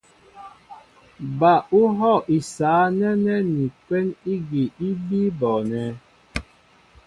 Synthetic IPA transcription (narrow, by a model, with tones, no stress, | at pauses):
ba˨u˦ɦɔ˦˨ʔi˨saː˨˦nɛ˦nɛ˦ni˨kwɛ˦ni˦ɡi˨i˦bi˦bɔ˨nɛ˨˦